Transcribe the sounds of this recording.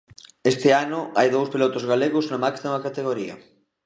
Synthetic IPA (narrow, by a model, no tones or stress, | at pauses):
est̪ɪanʊajðowspilot̪ʊzɣaleɣʊznamaksamɐkat̪eɣoɾiɐ̰